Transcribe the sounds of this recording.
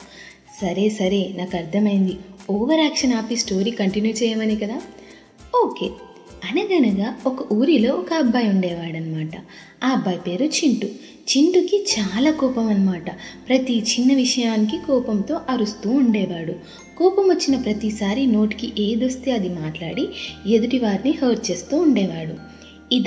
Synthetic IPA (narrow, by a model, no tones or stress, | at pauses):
sɐɾe̞ːsɐɾe̞ːnaːkɐɾt̪ʰɐmɐjind̪iɔːʋɐɾaːkʂɐnaːpisʈo̞ːɾiːkɐɳʈinjuːt͡ʃɛːjɐmɐnikɐd̪aː | oːkeː | ɐnɐɡɐnɐɡaːɔkɐʔuːɾilo̞ːɔkɐːbʱːaːjuɳɖɛːʋaːɽɐnːɐmaːʈɐ | aːbːɐːjpe̞ːɾut͡ʃiɳʈu | t͡ʃiɳʈukit͡ʃaːlaːkɔːpɐmɐnːɐmaːʈɐpɾɐt̪it͡ʃinːɐʋiʂɐjaːnik̬ikɔːpɐmt̪o̞ːʔɐɾust̪uːuɳɖɛːʋaːɽu | kɔːpɐmʋot͡ʃːinɐpɾɐt̪isaːɾino̞ːʈi̥kiʔe̞ːd̪ust̪eːɐd̪imaːʈlaːɽied̪uʈiʋaːɾnihɐːɾt͡ʃe̞ːst̪uːuɳɖɛːʋaːɽu | id̪